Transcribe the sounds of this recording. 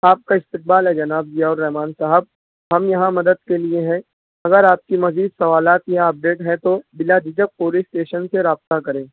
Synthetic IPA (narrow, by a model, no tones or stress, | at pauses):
aːp̚kaɪst̪ɪq̚baːlɦɛd͡ʒɐnaːb̚d͡ʒijaɔːɾːɛɦmaːnsaɦəb̚ | ɦɐmjɐɦãmɐd̪əd̪̚kelieɦɛ̃ | ɐɡəɾaːp̚kimɐziːd̪sɐʋaːlaːt̪jãɐp̚ɖeːʈɦɛ̃t̪obɪlad͡ʒ̪ɪd͡ʒək̚poːlisʈeːʃənseɾaːb̚t̪akɐɾẽː